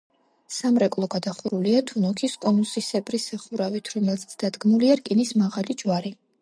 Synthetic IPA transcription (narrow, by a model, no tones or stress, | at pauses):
samɾɛkʼlˠɔɡad̪aχuɾuliat̪ʰunɔkʰiskʼɔnusisɛbɾisɛχuɾavit̪ʰɾɔmɛlzt̪sʰd̪̥ad̪ɡmuliaɾkʼinismaʁalid͡ʒwaɾi